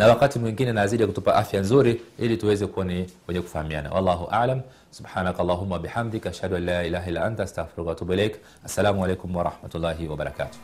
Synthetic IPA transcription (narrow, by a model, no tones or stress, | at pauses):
nawakatimwiŋɡinɛnaaziɗikutupaʔafjanzuɾiilituwɛzɛkuwaniwɛɲɛku̥fahamia̰na̰wɑ̰lˤːɑːɦuʔaʕlam | subħaːnakalˤːaːɦumːawabiħamd̪ikaʃhaduanlaːilaːɦailːaʔantaast̪aɣfiɾukatubuilɛjk | asːalaːmualɛjkumwaɾɑħmatulːaːɦiwaɓaɾˤaka̰ːtu̥